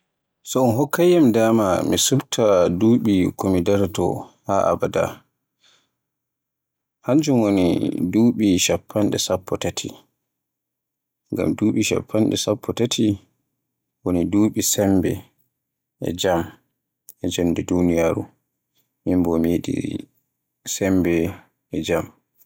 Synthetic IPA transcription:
sɔɔnɦɔkːajamdaːmamisuftʰaduːɓikomidɛɾtɔ̰haʔa̰bada̰ | haɲd͡ʒumwonḭduːɓiʃapʰːanɗɛsapʰːɔtatʰi | ŋɡa̰mduːɓiʃa̰pʰːanɗɛ̰sapʰːɔtatʰi | woniduːɓisɛmbɛ̰ | ɛ̰d͡ʒam | ɛd͡ʒamdɛdunijaːɾṵ | mimbɔmiɗḭ | sɛmbɛ | ɛd͡ʒam

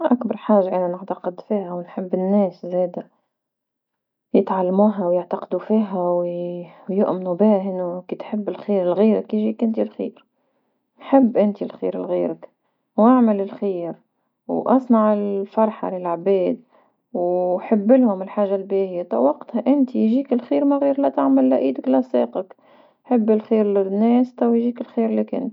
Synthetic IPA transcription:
ʔakbɑɾˤħaːʒaʔɪnanɪʕt̪aqɪd̪fiːhawnħɪbːɪnːeːszeːd̪a | jɪt̪ʕalːamuːɦawjɪʕt̪aqd̪ufiːɦawwjʊʔmnubɪhɪnːukiːt̪ħɪbːɪlxiːɾɪlɣiːɾakjɪʒikɪnt̪ilxḭːɾ | nħɪbːʔɪnt̪ilxḭːɾɪ̰lɣiːɾak | wʔaʕmɪlɪlxiːɾ | wʔɑ̰sˤnɑʕɪlfɑɾˤħɑ̰lɪlʕbeːd̪̚ | wħɪbːɪlhʊmɪlħaːʒːalbeːhɪjat̪ˤɑ̰ʔwɑqt̪haʔɪnt̪ijʒiːkɪlxiːɾmaɣiːɾlat̪aʕmalːaʔiːd̪aklasˤeːqɑk | ħɪbːɪlxiːɾlɪnːeːst̪awjʒiːkɪlxiːɾɪlikɪ̰nt̪

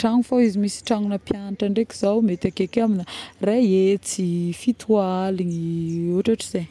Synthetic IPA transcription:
ʈ͡ʂaŋufaizimisi̥ʈ͡ʂaŋunəpjanaʈ͡ʂaɳɖ͡ʐeki̥z̥awmet̪akekaminareet͡sifit̪ʰuaaliɲiuʈ͡ʂaʈ͡ʂiz̥e

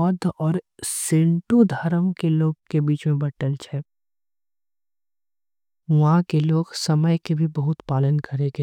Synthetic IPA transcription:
ɔːd̪ʱɔːɾsɪ̃ɳʈud̪ʱɐɾəmkeloːɡkebiːt͡ʃmẽbɐʈəlt͡ʃʰɛː | ʋɐɦãkeloːɡsɐməjkebʱibɐɦʊt̪paːlənkəɾeɡe

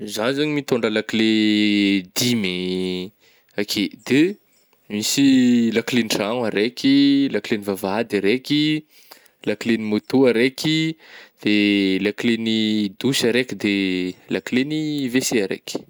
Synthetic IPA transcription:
zanizaɲimit̪oɳɖ͡ʐəlakile | d̪imi | akʰed̪̥e | misilakleniraŋaɾekʲilaklenivavad̪aɾekʲi | lakilenimut̪uaɾekid̪̥elaklenid̪uʃaɾekid̪elakleniveseaɾḛkʲi̥

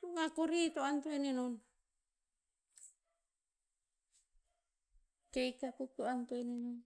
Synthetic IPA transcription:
uŋakuɾit̪oant̪oenenon | keikakut̪uant̪oenenon

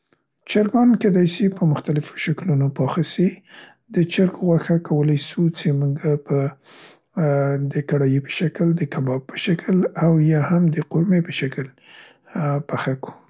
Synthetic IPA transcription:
t͡ʃaɾɡɑnked̪ɑjsipəmʊxt̪alɪfo̥ʃaklunopɑxisi | d̪ət͡ʃaɾɡoɣwaxakʰawəlajsut͡semuɡapə | d̪əkaɽɑjepə̥ʃakld̪əkabɑb̚pːə̥ʃakəlawjɑhamd̪əqoɾmepəʃakl | paxaku̥

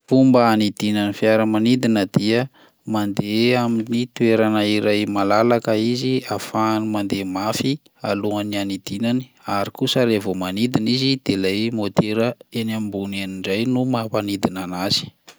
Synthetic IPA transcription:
fumbəanid̪inanifiaɾəmanid̪inəd̪̥iə | mand̪eaminit̪ueɾanaiɾajmalalakəiziafanumand̪emafi | aluənianid̪̥inani̥aɾikusəɾevomanid̪inizid̪̥elajmot̪eɾəenambunaniɳɖ͡ʐajnumapanid̪inanaz̥i̥

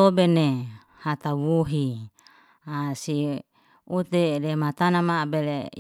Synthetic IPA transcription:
obene | hat̪awuɦi | asi | ut̪edemat̪anamabele

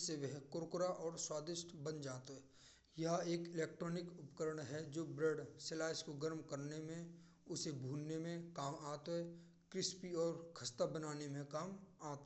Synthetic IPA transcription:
seʋəɦkʊɾkʊɾaʔɔːɾswaːd̪ɪʃʈʰbɐnd͡ʒaːt̪oɦɛ | jɐɦeːkɪleːk̚ʈɾɔːnɪkʊpkəɾəɽɦɛd͡ʒoːbɾeːɖsɪlaːɪskoɡəɾmkɐɾnemẽ | ʊsebʱuːlnemẽkaːmaːt̪oɦɛ | kɾɪspiɔːɾkʰɐst̪abɐnaːnemẽkaːmaːt̪ː

